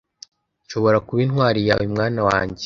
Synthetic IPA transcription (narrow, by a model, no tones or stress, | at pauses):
nʃo̞βo̞ɾakuβinwaːɾija̰wimŋaːnawa̰ːɲɟe